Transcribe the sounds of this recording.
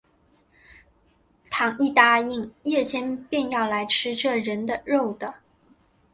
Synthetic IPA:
t̪ʰɑ˧˥ŋi˥˩t̪a˥i˥˩ŋjɛ˥˩t͡ɕʰjɛ˥npjɛ˥˧njɑ˥˩ʊla˧˥ɪʈ͡ʂʰɻ̩˥ʈ͡ʂɤ˥˩ɻə˧˥nd̪ə˧ɻo˥˩ʊd̪ə˩˦

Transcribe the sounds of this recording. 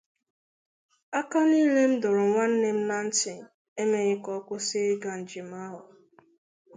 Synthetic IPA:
a˦ka˦ni˦le˦m̩˦dʊ˨ɾʊ˨ŋʷa˦n̩˦ne˦m̩˦na˦n̩˦tɪ˨n˨ | e˦me˦ɣɪ˦kɔ˦kʷʊ˦sɪ˦ɡa˨n̩˨d͡ʒɪ˨m˦a˦ɦʊ˨

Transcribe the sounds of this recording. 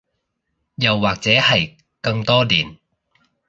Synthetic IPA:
jɐ˨wːaː˨k̚t͡sɛː˨˥hɐ˨j | kɐ˧ŋt̪ɔː˥liː˨˩n

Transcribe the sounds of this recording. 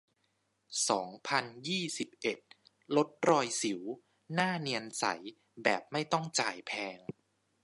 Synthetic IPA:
sɔː˩˦ŋpʰa˧njiː˥˩si˨˩p̚ʔe˨˩t̪̚ | lo˦˥t̪̚ɾɔː˧jsi˨˩˦w | naː˥˩ni˧ənsa̰˩˦j | bɛ̰ː˨˩p̚ma˥˩jt̪ɔ˥˩ŋt͡ɕaː˨˩jpʰɛː˧ŋ

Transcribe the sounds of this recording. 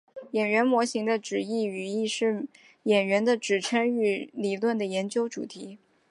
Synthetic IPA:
jɛ˨˩nɥɛ˧˥nmwɔ˧˥ɕi˧˥ŋd̪ə˧ʈ͡ʂɻ̩˨˩i˥˩y˨˩i˥˧ʂɻ̩˥˩ | jɛ˨˩nɥɛ˧˥nd̪ə˧ʈ͡ʂɻ̩˨˩ʈ͡ʂʰə˥ŋy˧˥li˨˩lwə˥˩nd̪ə˩jɛ˧˥nt͡ɕjo˥ʊʈ͡ʂṵ˨˩t̪ʰi˧˥

